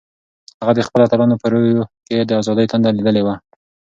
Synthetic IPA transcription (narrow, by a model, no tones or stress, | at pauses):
haɣad̪əxpəlat̪alɑnopəɾojoked̪əazɑd̪əjt̪and̪alid̪əlewa